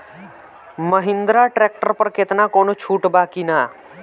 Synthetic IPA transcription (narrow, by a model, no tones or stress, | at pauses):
məɦɪ̃nd̪ɾaʈɾeːk̚ʈəɾpəɾket̪nakoːnot͡ʃʰuːʈbaːkinaː